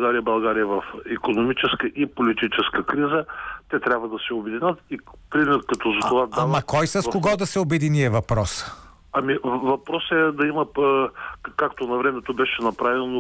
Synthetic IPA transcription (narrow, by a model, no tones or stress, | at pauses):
ɡaɾijəbɐlˠɡaɾijəvɐfikonomit͡ʃɛskəʔipolit̪it͡ʃɛskəkɾizət̪ɛt̪ɾʲabvɐd̪ɐsɛʊbɛd̪inət̪ipɾimɛɾkɐt̪ɔzɐt̪ovad̪amɐkɔjsɐskoɡɔd̪ɐsɛobɛd̪iniɛvɐpɾɔs | ɐmivɐpɾɔsɛd̪ɐimɐ | kakt̪onɐvɾɛmɛt̪obɛʃɛnɐpɾavɛno